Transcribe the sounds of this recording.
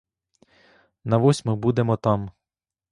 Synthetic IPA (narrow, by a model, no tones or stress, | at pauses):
nɐʋɔsʲmʊbud̪emɔt̪ɑm